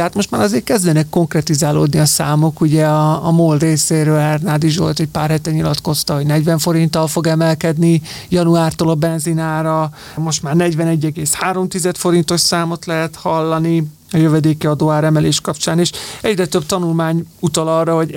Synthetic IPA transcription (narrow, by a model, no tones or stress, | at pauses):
at̪mo̞ʃt̪maːɾɒzeːrkɛzd̪ʋɛnɛkːo̞ŋkrɛt̪izaːlo̰ːd̪niɒsaːmo̞kuɟɛɒːmoːlreːseːɾøːlɛrnaːd̪iʒʋo̞̰lt̪ɛcpaːrɦɛt̪ɛɲilɒt̪ko̞st̪ɒɦo̞ɟnɛɟvɛɱfo̞ɾint̪ɒlfo̞ɡɛmɛlkɛd̪ni | jɒnuaːrt̪oːlɒbɛnzinaːɾɒ | mo̞ʃt̪maːrnɛɟvɛnɛɟːɛɡeːshaːɾo̞mt̪izɛt̪fo̞ɾint̪o̞ʃsaːmo̞t̪lɛɦɛt̪hɒlːɒni | ɒjøvɛd̪eːkiɒd̪oaːɾɛmɛleːʃkɒpt͡ʃaːneːʃɛɟrɛt̪øb̚t̪ɒnulmaːɲut̪ɒlɒːrːɒɦo̞ɟ